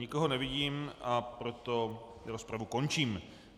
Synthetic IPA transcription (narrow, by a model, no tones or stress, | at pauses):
ɲɪko̞ɦo̞nɛvɪɟiːmʔapɾo̞t̪o̞ | ɾospɾavuko̞nt͡ʃiːm